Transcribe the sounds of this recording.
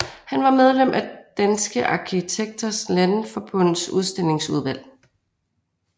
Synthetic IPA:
hænʋɑ̈með̞ˠlem̰ʔæd̥ænsɡ̥əʔɑ̈kʰit͡sʰeɡ̥̚d̥ɐslænfɒ̽b̥ɔ̽nsuðˠsd̥e̝l̰e̝ŋsuð̞ˠʋæl̰

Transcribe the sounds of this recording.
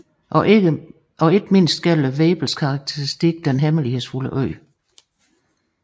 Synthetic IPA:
ɒ̽e̝d̥me̝n̰sd̥ɡ̥ælʋɛːb̥l̩skʰɑ̈ʁɑɡ̥̚t͡sʰeʁisd̥iɡ̥əd̥enɦeməlihe̝ðˠsfuləʔœɪ̰

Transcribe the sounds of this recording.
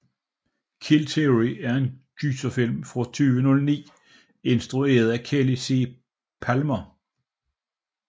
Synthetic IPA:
kʰilt͡sʰeʁiæɐe̝nd̥ysɐfil̰mfʁɑt͡sʰyːʋənɔ̽lnḭː | e̝nsd̥ʁue̝̰ːɐð̞̩ˠækʰelisi | pʰælmɐ

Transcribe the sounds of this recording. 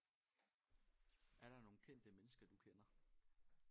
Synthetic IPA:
ʔæɐɾ̥ɑ̈no̝ːn̩kʰen̰d̥əmenəsɡ̥ɐd̥ukʰenɐ

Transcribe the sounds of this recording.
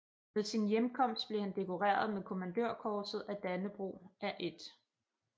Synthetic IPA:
ʋe̝ðˠsinjemkʰɒ̽m̰sd̥̚b̥le̝hænd̥e̝kʰo̝ʁḛːɐð̞ˠmeðˠkʰo̝mænd̥øɐ̰kʰɒːsð̩ˠæd̥ænəb̥ʁo̝̰ːæʔe̝d̥

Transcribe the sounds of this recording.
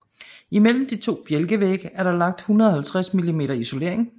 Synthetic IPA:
imel̰m̩d̥it͡sʰo̝̰ːb̥jelɡ̥əʋeɡ̥æɐɾɑ̈lɑ̈ŋ̥̚d̥hunɐðˠɒ̽hælt͡sʰʁasmilime̝̰ːɾ̥ɐiso̝le̝̰ɐ̰e̝ŋ

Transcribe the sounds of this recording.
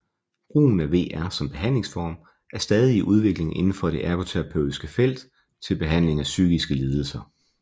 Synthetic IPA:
b̥ʁṵːn̩æʋe̝̰ːæɐsɒ̽mb̥e̝ɦæn̰le̝ŋsfɒ̰ːm | ʔæɐsd̥ɛːð̞ˠiːʔuð̞ˠʋe̝ɡ̥le̝ŋʔe̝nn̩fɒ̽ɾ̥e̝ʔæɐɡ̥ʰo̝t͡sʰeʁɑ̈pʰø̰ʊisɡ̥əfel̰d̥ | t͡sʰe̝lb̥e̝ɦæn̰le̝ŋæsyɡ̥isɡ̥əliːð̞ˠl̩sɐ

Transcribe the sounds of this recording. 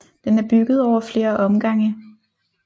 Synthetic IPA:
d̥enæɐb̥yɡ̥ð̞̩ˠɒʊ̰ɐfle̝ːɐʔɒ̽mɡ̥ɑ̈ŋ̰ə

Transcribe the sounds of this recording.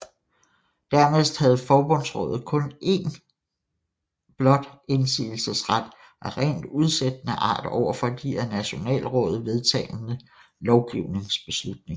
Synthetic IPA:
d̥æɐmesd̥hæð̞̩ˠfɒːb̥ɔ̽n̰sʁɔ̽ːðˠð̩ˠkʰɔ̽ne̝ːn | b̥lɒ̽d̥e̝nsḭːl̩səsʁad̥ | ʔæʁḛːnd̥uð̞ˠsed̥ənəʔɑ̰̈ːd̥ɒʊ̰ɐfɒ̽d̥iæɐnæɕo̝nɛ̰ːlʁɔ̽ːð̞̩ˠʋe̝ð̞ˠt͡sʰɛ̰ːlnə | lɒʊɡ̥iʊne̝ŋsb̥e̝slud̥ne̝ŋ

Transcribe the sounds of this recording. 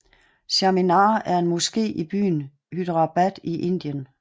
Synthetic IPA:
seminɑ̰̈ːæɐe̝nmɔsɡ̥e̝̰ːʔib̥y̰ːn | hyd̥ʁɑ̈b̥æd̥iʔe̝n̰d̥iən

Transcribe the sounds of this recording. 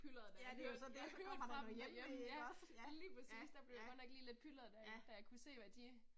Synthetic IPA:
pʰylɐð̩ˠd̥æd̥e̝josɒ̽d̥eʋɑd̥ejejmɒsjæliːpʰʁɐsḭːsd̥æb̥le̝jɡɔneɡ̥liːle̝d̥̚pʰylɐð̩ˠd̥æɐd̥æjɑ̈ɪkʰuse̝̰ːʋæd̥i

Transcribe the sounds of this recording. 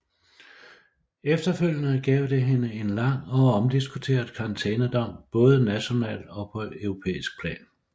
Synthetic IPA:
efd̥ɐføl̰jənəɡ̥ɛ̰ːʊd̥e̝ɦe̝nəe̝nlɑ̈ŋ̰ɒ̽ɒ̽md̥isɡ̥ut͡sʰe̝̰ːɐðˠkʰɑ̈ʁɑ̈nt͡sʰɛːnəd̥ɒ̽m̰b̥ɔ̽ːð̞ˠənæɕo̝nɛ̰ːld̥ɒ̽pʰɒ̽œʊʁo̝pʰḛːisɡ̥̚pʰlɛ̰ːn

